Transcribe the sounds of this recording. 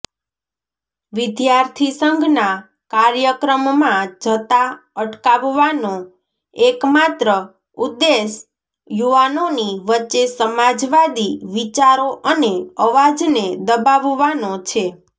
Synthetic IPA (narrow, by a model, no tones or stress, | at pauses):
ʋɪd̪jaɾt̪ʰisəŋɡʱna | kaɾjəkɾəmːãd͡ʒʱət̪aəʈkaʋʋano | ekmat̪ɾə | ud̪ːes | juʋanoniʋətːʃesəmad͡ʒʋad̪iʋit͡ʃaɾoʔəneəʋad͡ʒned̪əbaʋʋanot͡ʃʰe